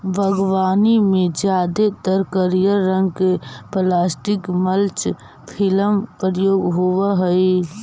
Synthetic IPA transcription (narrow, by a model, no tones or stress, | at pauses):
bʱəɡʋaːnimẽd͡ʒjaːd̪et̪əɾkəɾijəɾə̃ŋɡkeplaːsʈɪkməlt͡ʃ | pʰɪləmpɾjoːɡɦowaɦəi